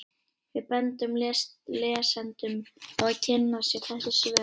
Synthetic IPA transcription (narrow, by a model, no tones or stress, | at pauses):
vɪðpɛnt̪ʏmllɛːsɛnt̪ʏmpɔcʰɛnːasɛθɛsɪsv